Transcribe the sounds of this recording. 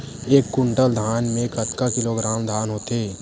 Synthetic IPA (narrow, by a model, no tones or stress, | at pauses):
eːkːʊɳʈəld̪ʱaːnmẽkət̪kakɪloɡɾaːmd̪ʱaːnɦoːt̪eː